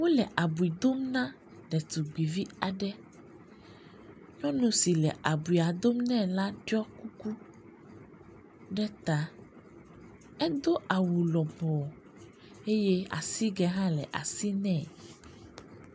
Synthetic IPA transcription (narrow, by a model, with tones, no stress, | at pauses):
wo˦lɛ˨ʔa˨bu˨i˨d̪o˦mnã˦ | ɖɛ˨t̪u˨ɡ͡bi˨vi˦a˨ɖɛ˦ | ɲɔ̃˦nũ˨si˨lɛ̰˨ʔa˨bu˨i˨a˨d̪o˦mnɛ̃˦˨la˦ɖɔ˦ku˦ku˦ | ɖɛ˦t̪a˨ | ɛ˦d̪o˦ʔa˨wu˨lɔ˨bɔ˨ | e˦je˦a̰˨si˦ɡɛ˦ɦã˦lɛ̰˨ʔa̰˨si˦nɛ̃˦˨